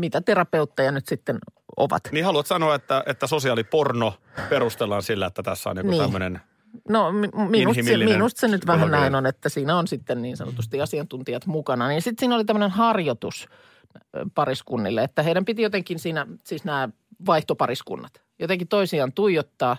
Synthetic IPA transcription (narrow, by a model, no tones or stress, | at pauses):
mit̪æt̪erɑpeut̪ːejɑnyt̪sit̪ːeno̰ʋɑ̰t̪niːhɑluɑt̪sɑnoɑet̪ːæet̪ːæsosiɑliporno | perust̪elːɑːnsilːæet̪ːæt̪æsːæo̰nḭŋkuniːæmːønen | nomiminusmnust̪senyt̪ʋæhænnæinonet̪ːæsiːnæonsit̪ːenniːnsɑ̰no̰t̪ust̪iɑsiɑnt̪unt̪iɑt̪mukɑnɑniːnsit̪siːnolit̪æmːə̆nenhɑrjot̪us | pɑriskunːḭlːeet̪ːæheiɾæmpit̪ijot̪eŋkinsiːnæsiːsnæː | ʋɑiht̪opɑriskṵnːɑt̪ | jot̪eŋkit̪oisiɑːnt̪uijot̪ːɑː